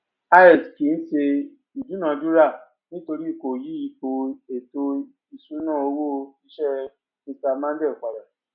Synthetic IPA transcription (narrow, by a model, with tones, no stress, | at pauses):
a˧˦ɛ˦˨ski˨˦n̩˦ʃe˧ | i˨d͡ʒu˨˦nã˧d͡ʒu˦ɾa˦˨ | nĩ˦to˧ɾi˦i˦˨ko˨ji˨˦i˧˦ko˧e˨to˧ | i˨sũ˨˦nãː˦˨o˧wo˦i˦ʃɛ˦ | mĩ˧sta˧mã˦de˦˨ka˨ɾa˨